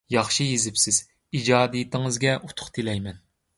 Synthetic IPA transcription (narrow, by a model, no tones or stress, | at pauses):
jɑχʃijezɪpsɪz̥ | id͡ʒɑːd̪ijit̪ʰɪŋɨzɡʲɛʔut̪ʰʊ̥χt̪ʰɪlɛjmɛn